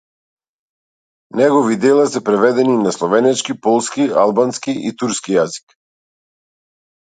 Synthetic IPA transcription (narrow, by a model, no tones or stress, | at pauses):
nɛɡɔvid̪ɛlˠasɛpɾɛvɛd̪ɛninaslˠɔvɛnɛt͡ʃkipɔlˠskialˠbanskiʔḭt̪uɾskijazi̥k